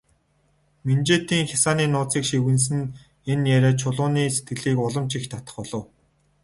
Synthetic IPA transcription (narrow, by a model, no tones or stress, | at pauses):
mint͡ɕeːt̪iːŋxʲjasaːniːnʊːt͡siːkʃiwɘ̆ns̬ɘ̆n | enjæɾeːt͡ɕʰʊɮʊːniːse̥t̪̚ɡɘ̆ɮiːkʊɮə̆mt͡ɕixt̪ʰat̪ə̥̆χɔɮɞ̆w